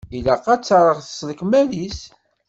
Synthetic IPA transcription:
ilæqɑt͡sːɾˤəʁθə̥sləkmælis

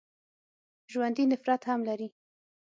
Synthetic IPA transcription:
ʒwand̪inɪfɾat̪hamlaɾi

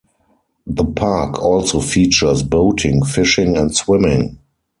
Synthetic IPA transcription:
ðəpʰakʰɔlsofiːt͡ʃə˞sboʊtʰɪ̃ŋfɪʃɪ̃ŋɛ̃ntswɪ̃mɪ̃ŋ

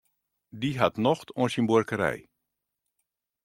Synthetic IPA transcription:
diɦatnɔxtʰonsinburkəɾɛ̰j

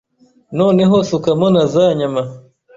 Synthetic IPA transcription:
noneɦosukamonazaɲama

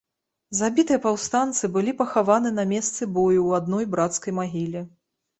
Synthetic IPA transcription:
zabʲit̪ɨjɐpawst̪ant̪sɨbɨlʲipɐxavanɨnɐmʲɛst̪sɨbɔjuwad̪nɔjbɾat̪skɐjmaɣʲilʲi

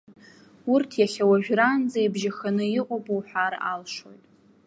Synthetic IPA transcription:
urtʰjaχʲawaʒᶣrand͡zajbʒaxanɨiqʷʼobʼuwħʷara̰lʂo̞̰jtʼ

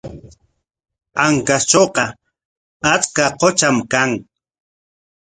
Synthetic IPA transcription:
aŋkast͡ʃoqɑ | at͡skaqot͡ʃamkaŋ

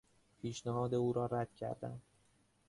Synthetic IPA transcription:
pʰiːʃnæɦɒːd̪e̞uːɾɒːɾæd̪̥cʰæ̰ɾd̪æ̰m

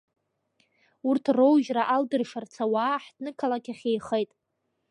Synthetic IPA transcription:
urtʰrowʒraʔaldɨrʂart͡sʰawaːħdnɨkʰalakʲʰaχʲejχejtʼ

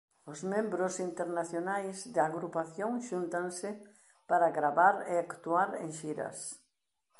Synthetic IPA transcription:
ʊzmẽmbɾʊsint̪eɾnaθjonajzd̪aaɣɾupaθjoŋʃunt̪aŋsɪ | paɾaɣɾaβaɾeakt̪uaɾḛ̃ŋʃiɾɐ̰s

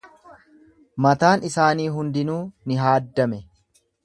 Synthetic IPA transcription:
mɐt̪aːnɪsaːniːɦʊnd̪ɪnuːnɪɦaːd̪ːɐmɛ

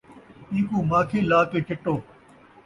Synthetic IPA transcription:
ĩːkuːmaːkʰeːlaːkeːt͡ʃɐʈːoː

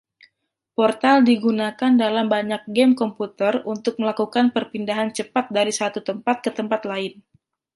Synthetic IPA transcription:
pɔrt̪aldiɡunakandalambaɲak̚ɡɛmkɔmput̪ərunt̪ʊk̚məlakukanpərpindaɦant͡ʃəpat̪̚daɾisat̪ut̪əmpat̪̚kət̪əmpat̪laɪn

